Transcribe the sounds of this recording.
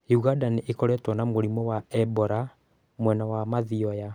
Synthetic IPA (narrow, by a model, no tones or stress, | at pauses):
juɣadaniekɔɾɛtwɔnamoɾimɔwaɛbɔɾa | mwɛnawamaðiɔja